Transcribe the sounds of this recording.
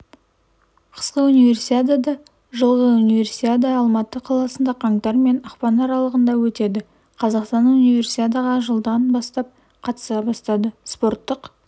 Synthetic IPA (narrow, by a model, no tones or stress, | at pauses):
qʰə̥sqəunijve̞rsit̪ʲed̪ɑd̪ɑ | ʒəlˠʁəunive̞rsit̪ʲed̪ɑɑlˠmɑt̪əqʰɑlˠɑsənd̪ɑqʰɑŋt̪ɑɾme̞nɑqpɑnɑɾɑlˠəʁənd̪ɑwɵt̪e̞d̪ɪ | qʰɑzɑqst̪ɑnunijvʲe̞rsit̪ʲet̪̬ɑʁɑʒəlˠd̪ɑnbɑst̪ɑp̚ | qʰɑt̪ə̥sɑbɑst̪ɑd̪əspo̞rt̪ːəq